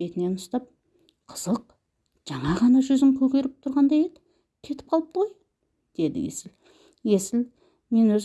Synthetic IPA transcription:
et̪ɪnenəʃt̪ɑp̚ | qʰə̥z̥əq | ʒ̥ɑɴɑʁɑnɑʒʏzɪŋkʲʰɵkʲe̞ɾɪp̚t̪ʰʊɾʁɑnd̪ɑjed̪ɪ | t̪ʲʰe̞t̪ɪp̚qʰɑlˠəp̚t̪ʰoj | d̪̥e̞d̪ɪ̰jḛsɪl | je̞sɪl | me̞nwɵz

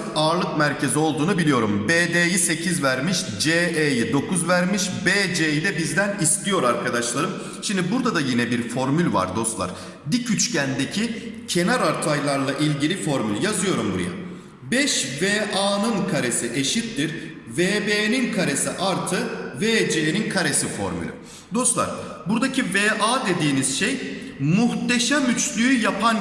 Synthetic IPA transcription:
aːɾlˠɯk̚mæɾcʰe̞zio̞lˠd̪uːnubilʲijo̞ɾumbeːd̪ejise̞cʰizvæɾmiʃ | d͡ʒeejid̪o̞kʰuzvæɾmiʃbeːd͡ʒejid̪ɛbizd̪ænist̪ijo̞ɾaɾkʰad̪aʃlˠaɾɯm | ʃimd̪ibuɾd̪ad̪ajinɛbiɾfo̞ɾmylʲva̰ɾd̪o̞st̪lˠa̰ɾ̥ | d̪icʰyt͡ʃcænd̪e̞cʰicʰe̞naɾaɾt̪ʰajlˠaɾlˠaʔilʲɟilʲifo̞ɾmylʲjazɯjo̞ɾumbuɾ̰ja̰ | bɛʃveːʔaːnɯnkʰaɾe̞siʔe̞ʃit̪ːiɾ | veːbeːninkʰaɾe̞siʔaɾt̪ʰɯveːd͡ʒeːninkʰaɾe̞sifo̞̰ɾmy̰lʲy̰ | d̪o̞st̪lˠa̰ɾ̥buɾd̪acʰiveːʔaːd̪e̞d̪iːniz̥ʃejmuht̪eʃɛmyt͡ʃlʲyyjapʰan

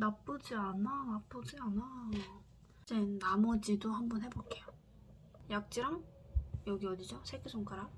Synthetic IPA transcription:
nap͈ud͡ʑiananap͈ud͡ʑiana | enamʌd͡ʑidohambʌnhe̞bok͈e̞jo | jak̚t͡ɕ͈iɾaŋ | jʌɡiʌdid͡ʑosʰek͈ʰesʰoŋk͈aɾa

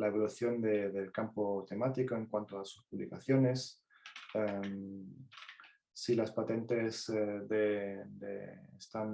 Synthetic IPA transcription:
laeβ̞oluθjo̞nd̪eðelkampo̞t̪e̞mat̪iko̞e̞ŋkwant̪oasu̥spuβlikaθjo̞ne̞s | em | silaspat̪e̞nt̪e̞zðed̪ḛḛst̪an

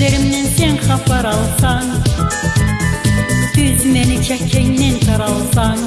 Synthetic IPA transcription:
eɾɪmnɛnsenqʰɑpʰɑɾɑlˠsɑŋ | søzmɛnɪt͡ʃʰɛkʲʰːɛŋnɪnqʰɑɾɑlˠsɑŋ

